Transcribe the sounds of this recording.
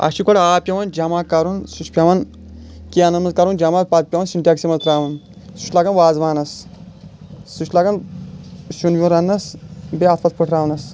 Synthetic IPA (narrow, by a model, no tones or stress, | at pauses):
ɐ̰ʃikoɽaːpʲjɐʋɐnd͡ʒɐmaːkɐɾunsuʃpʲɐʋɐn | kiɐnɐmɐzkɐɾund͡ʒɐmaːt̪̚pɐt̪̚pʲjɐʋɐnsinʈʲaɐksimɐzt̪ɾaːʋɐn | su̥ʃlaɡɐnʋaːzʋaːnɐs | suʃlaɡɐn | ʃunjʲuɾɐnːɐsbeɐt̪ʰpɐt̪pɨʈʰɾaːʋɐnɐs